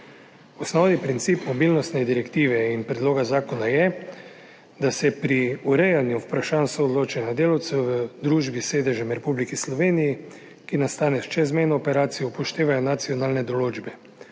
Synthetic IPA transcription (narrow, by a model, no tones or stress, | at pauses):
ɔsnɔːd̪ipɾint̪siːpmɔbiːlnɔst̪nɛd̪iɾɛkt̪iːʋɛinpɾɛd̪loːɡazaːkɔnajɛ | d̪asɛpɾiuɾɛjanjuwpɾaʃaːnsoːd̪loːt͡ʃanad̪eːlawt̪sɛwʋəd̪ɾuːʒbiseːd̪ɛʒɛmɾɛpublikislɔʋeːniji | kinast̪aːnɛʃt͡ʃɛzmɛjnɔːpɛɾaːt̪sijɔpɔʃt̪eːʋajɔnat̪siɔnaːlnɛd̪ɔloːd͡ʒbɛ